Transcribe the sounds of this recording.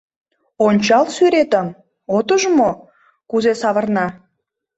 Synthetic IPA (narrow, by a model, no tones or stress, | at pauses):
onʲt͡ɕɑlsyɾet̪əm | ot̪əʒmo | kuzesɑβə̆rnɑ